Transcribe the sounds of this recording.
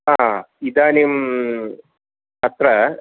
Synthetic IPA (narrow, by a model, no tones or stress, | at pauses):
a | id̪aːnim | ɐt̪ɾɐ